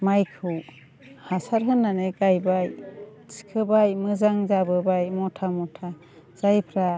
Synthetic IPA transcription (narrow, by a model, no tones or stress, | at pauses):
majkʰɯw | hasaɾɦɯnːaneɡajbaj | si̥kʰɯbajmɯzaŋzabɯbajmɔtʰamɔtʰa | z̥ajpʰɾa